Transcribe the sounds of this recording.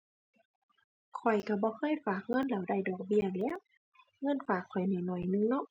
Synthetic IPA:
kʰɔ˨˩jka˧˩bɔː˧˦kʰɤː˧˥˨jfaː˨˩k̚ŋɤ˧˥˨nla˨˩wda˧˩jdɔː˨˩k̚bi˧˥˩lɛː˧˥˨w | ŋɤ˧˥˨nfaː˨˩kʰːɔ˨˩jnaː˨˩jnɔ˨˩jnɯ˧˨ŋnɔ˧˥˨ʔ

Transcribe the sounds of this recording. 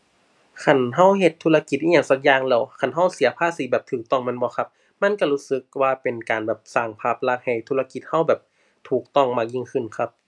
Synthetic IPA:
kʰa˧˩nɦa˧˥˩wɦe˧˩t̪ʰːuː˧˥la˧ki˧˩t̪̚ʔiː˧aː˧˩ŋsaː˧k̚jaː˧˨ŋlɛː˧˩wkʰa˧˩˨nɦa˧˥˩wsi˨˦ɐpʰaː˧˥˨siː˨˦bɛː˨˩p̚t̪ʰɯː˨˩k̚t̪ɔ˧˩ŋmɛ˧˥˨nbɔː˧˦kʰa˧˥p̚ | ma˧˥˨nka˧˩luː˦˧˥sɯ˧˦k̚waː˧pe˨nkaː˨˩nbɛː˨˩p̚saː˧˩ŋpʰaː˧˩p̚la˧ha˨˩jt̪ʰuː˧la˧ki˧˦t̪̚ha˧˥˨wbɛː˨˩p̚ | t̪ʰuː˨˩k̚t̪ɔ˧˩ŋmaː˧˩ji˧˨ŋkʰɯ˧˩nkʰa˧˥p̚

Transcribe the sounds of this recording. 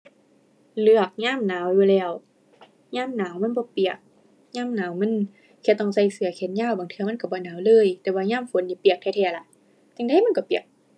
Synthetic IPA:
lɯ˧˩ək̚ɲaː˧˥˨mnaː˨˦wjuː˧lɛː˧˩w | ɲaː˥˨mnaː˨˦wma˧˥˨nbɔː˧˦pi˨˩ək̚ | ɲaː˥˨mnaː˨˦wma˧˥˨n | kʰɛ˧˩t̪ɔ˧˩ŋsa˧˩jsɯ˨˦ɐkʰe˨˦nɲaː˧˩˨wbaː˨˦ŋt̪ʰɯ˧˨ma˧˥˨ka˧˩bɔː˧˦naː˨˦wlɤː˧˥˨jt̪ɛː˧˦waː˧ɲaː˧˥˨mfo˨˦nti˧˦pi˨˩ək̚tʰɛː˧t̪ʰɛː˧˩la˧˦ʔ | t̪ɛ˧˨ŋda˧˨jma˧˥˨nkɔ˧˩˦pi˨˩ək̚

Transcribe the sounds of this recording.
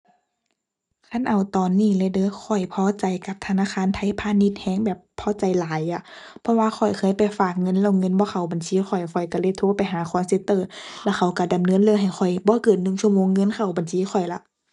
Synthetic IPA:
kʰa˧˥˨nʔa˨˩wt̪ɔː˨˩nːiː˧˩˨lɛː˧˨dɤː˧˥˦kʰɔ˨˩jpʰɔː˧˦t͡ɕa˨˩jka˧˦p̚t̪ʰa˧naː˧˥˨xaː˧˥˨nt̪ʰa˧˥˨jpʰaː˧˨ni˧˥t̪̚hɛː˧˥˨ŋbɛː˨˩pʰːɔː˧˦t͡ɕa˨˩jlaː˨˦ja˧˩pʰɔ˧˥waː˧xʰɔ˨˩jkʰɤː˧˥˨jpa˨˩jfaː˧˨˩k̚ŋɤ˧˥˨nlɛː˧˨ŋɤ˧˥˨nbɔː˧˦xʰa˧˩wba˨nsiː˧˥˦xʰɔ˨˩jxʰɔ˨˩jka˧˩le˧˩˨t̪ʰoː˧˥˨pa˨jɦaː˨˦xʰɔː˧˦˨nse˧˥t̪ːɤː˧˩lɛ˧˩xʰa˧˩wka˧˩da˨˩mnɤ˧˥˨nlɤ˧˨ɦa˨˩jxɔ˨˩jbɔː˧˦kɤː˨˩t̪̚nɯ˨˧˩ŋsu˧ə˨moː˧˨ŋːɤ˧˥˨nkʰa˧˨˩wba˨nsiː˧˥˨xɔ˨˩jla̰˧˦ʔ

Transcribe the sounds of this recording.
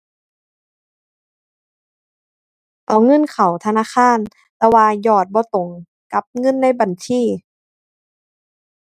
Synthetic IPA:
t̪ɔː˨˦ŋɤ˧˥˨nkʰa˨˩wt̪ʰa˧naː˧˥˨kaː˧˥˨n | t̪ɛː˧waː˧jɔː˧˩t̪̚bɔː˧˦t̪o˨˦ŋ | ka˧˦p̚ŋɤ˧˥˨nːa˧˥˨jba˨nt͡ɕʰiː˧˥˩

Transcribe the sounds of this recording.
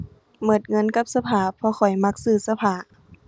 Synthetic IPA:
mɤ˨˩t̪̚ŋɤ˧˥˨nka˧˥p̚sa˧pʰaː˨˩pʰɔ˧xʰɔ˨˩jma˧˥k̚sɯː˧˩sa˧pʰaː˨˩

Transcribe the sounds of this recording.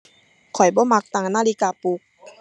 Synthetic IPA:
kʰɔ˨˩jbɔː˧˦ma˧˥k̚t̪a˧ŋnaː˧˥˨li˧˦kaː˧pu˧˦k̚

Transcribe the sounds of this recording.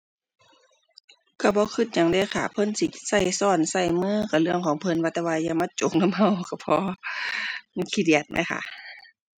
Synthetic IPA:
ka˧˩bɔː˧˦kʰɯ˧˩t̪̚ɲa˧˦ŋdeː˧˨kʰa̰˧˩pʰɤ˧˥˨nsi˧sa˧˩jsɔː˧˩nsa˧˩jmɯː˧˥˨ka˧˩lɯ˧əŋkʰɔː˨˦ŋpʰɤ˧˨nwaː˧˩t̪ɛː˧waː˧ja˧˨ma˧˥˨t͡ɕo˨˧˦k̚na˧˥˨mɦa˧˩˨wka˧˩pʰɔː˧ | kʰi˧˩di˧˨˩ət̪̚ma̰˧˦jxʰa̰˧˨

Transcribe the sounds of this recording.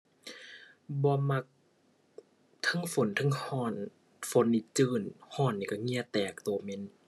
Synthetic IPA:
bɔː˧˦ma˧k̚ | t̪ʰɤ˧˥˨ŋfo˨˦nt̪ʰɤ˧˥˨ŋhɔː˧˥˩n | fo˨˦nːi˧˦t͡ɕɯː˧˩nhɔː˧˥˩nːiː˧˩ka˧˩ŋi˧˥˨ət̪ɛː˨˩k̚t̪o˨˩˦me˧˥˨n

